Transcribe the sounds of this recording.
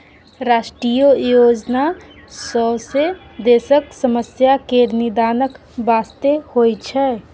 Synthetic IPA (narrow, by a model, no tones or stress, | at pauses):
ɾaʃʈɾijojod͡ʒna | sɔsed̪esəksəməsjakeɾnid̪anək | bast̪ehojt͡ʃʰɛ